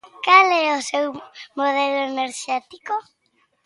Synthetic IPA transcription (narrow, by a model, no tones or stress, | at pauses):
kalɛosewmoð̞ɛloeneɾʃɛt̪iko